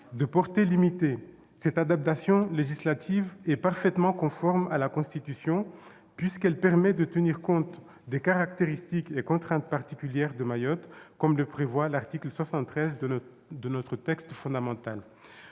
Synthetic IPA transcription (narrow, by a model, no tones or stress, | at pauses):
d̪əpɔʁt̪elimit̪e | sɛt̪ad̪ap̚t̪asjɔ̃leʒislat̪ʰivɛpaʁfɛt̪mɑ̃kɔ̃fɔʁmalakɔ̃st̪it̪ysjɔ̃ | pɥiskɛlpɛʁmɛd̪ət̪əniʁkɔ̃t̪ | d̪ekaʁakt̪eʁist̪ikekɔ̃t̪χɛ̃t̪paʁt̪ikʲyljɛʁd̪əmajɔt̪kɔmləpχevwalaʁt̪iklswasɑ̃t̪ːχɛz | d̪ənɔt̪χət̪ɛkst̪fɔ̃d̪amɑ̃t̪al